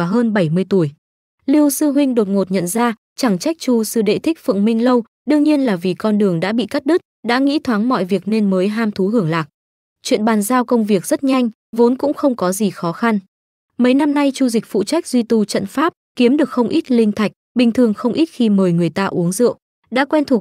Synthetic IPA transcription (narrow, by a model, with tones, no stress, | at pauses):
vaː˨˩ɦəː˧nɓə˧˩jmɨ˧əjt̪u˧˩əj | li˧əwsɨ˧ɦwï˧ŋ̟ɗo˨˩t̚ŋo˨˩t̚ɲə̰˧˨nzaː˧ | t͡ɕa˧˩ŋt͡ɕa˦˥k̚t͡ɕu˧sɨ˧ɗḛ˧˨t̪ʰï˦˥k̟̚fɨ̰˧˨ŋmï˧ŋ̟lə˧w | ɗɨ˧əŋɲi˧ənlaː˨˩vi˨˩kɔ˧nɗɨ˨˩əŋɗa̰ː˧˥ɓḭ˧˨ka˦˥t̚ɗɨ˦˥t̚ɗa̰ː˧˥ŋḭ˧˥t̪ʰwaː˨˦ŋmɔ̰˧˨jvi˨˩ək̚ne˧nməː˨˦jɦaː˧mt̪ʰu˨˦ɦɨ˧˩əŋlaː˨˩k̚ | t͡ɕwḭ˧˨ənɓaː˨˩nzaː˧wkə˧wŋ͡mvi˨˩ək̚zə˦˥t̚ɲa˧jŋ̟ | vo˨˦nkʊ̰˧˥ŋ͡mxə˧wŋ͡mkɔ˨˦zi˨˩xɔ˨˦xa˧n | mə˨˦jna˧mna˧jt͡ɕu˧zi̟˨˩fṵ˧˨t͡ɕa˦˥jk̟̚zwi˧t̪u˧˩t͡ɕə̰˧˨nfaː˦˥p̚ki˨˦əmɗɨ˨˩ək̚xə˧wŋ͡mʔi˦˥t̚lï˧ŋ̟t̪ʰa˨˩k̟̚ɓï˨˩ŋ̟t̪ʰɨ˨˩əŋxə˧wŋ͡mʔi˦˥t̚xi˧məː˨˩jŋɨ˨˩əjt̪aː˧ʔu˨˦əŋzɨ̰˧˨əw | ɗa̰ː˧˥kwɛ˧nt̪ʰu˨˩ək̚